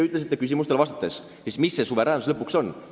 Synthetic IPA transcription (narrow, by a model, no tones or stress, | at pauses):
yt̪lesit̪ːˑekys̬ʲimus̬t̪e̞lvɑst̪ɑ̥t̪ːˑes | sismisːe̞suve̞ɾæːnuslɤpːukso̞n